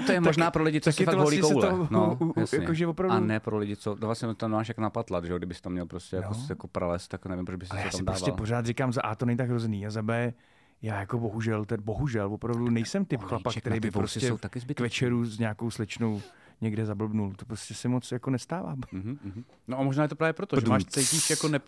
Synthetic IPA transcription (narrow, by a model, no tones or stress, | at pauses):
ojɛmoaʒnaːpɾolɪɟɪt͡s̪oaskɛtaovloaliɲɛkosɛwlonoujasjaɲɛkoʒɛvopɾavdaunɛpɾolɪɟɪt͡sot̪vlasɲɛt̪amnɛmaːʃjakonapat̪lad̪ʒɛoɡdɪbɪst̪amɲɛlpɾoscɛjaosjakopɾalɛst̪t̪aknɛvɪmpɾod͡ʒbɪsaɛjsaɛːsamɪmdɾoːsvaɛlpoɾ̝aːt̪rɪkaːmzaʔaːt̪onɛɲɪt̪aɡɦɾozɛniːazabɛː | jaːjako̞bo̞ɦuʒɛlt̪ɛdbo̞ɦuʒɛlvopɾavdunɛjsɛmt̪ɪpxlapakkt̪ɛɾɛjbɪppɾoscɛowt̪akɪzbɪkvɛt͡ʃɛɾuzɲaːko̞wslɛt͡ʃnow | ɲɛɡdɛzabl̩bnult̪opɾoscɛsɛmot͡sjako̞nɛst̪aːva̰ːmm̩ɦ̩ | noʔamoʒnaːjɛt̪̬opɾaːvjɛpɾot̪oʒɛmaːʃtt͡s̪ɛjiːʃjakonɛ